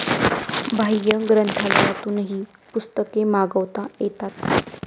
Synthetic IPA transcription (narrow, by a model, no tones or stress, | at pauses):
bʱajjəɡɾənt̪ʰalat̪uːnɦiː | pust̪əkemaɡəʋt̪ajet̪at̪